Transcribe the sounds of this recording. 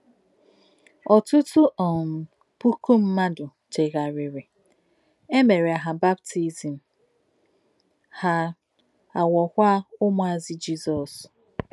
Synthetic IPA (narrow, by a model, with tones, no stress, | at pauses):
ɔ˨tʊ˦tʊ˦ʔɔ˨ | pu˦ku˦m̩˦ma˦dʊ˨ | te˨ɣa˨ɾɪ˨ɾe˨ | e˦me˨ɾe˨a˨ɦa˨ba˦btʰi˦zi˨m̩˨ | ha˦ | a˨wɔ˨kʷa˦ʊ˦mʊ˨˦a˨zi˦d͡ʒi˦zɔ˨s